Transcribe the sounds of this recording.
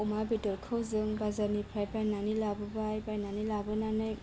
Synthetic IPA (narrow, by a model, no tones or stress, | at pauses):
umabidɔlkʰɯwzɯŋbazaɾnipʰɾajpajnanilabɯbajbajnanilabɯnanɯjŋ